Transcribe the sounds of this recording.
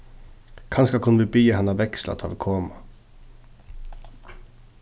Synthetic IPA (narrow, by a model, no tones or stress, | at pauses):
kʰɑnskɑkʰʊnəʋiːbyːjəhɛnɑʋɛkslɑ̰t̪ʰɑ̰ːlkʰoːmɑ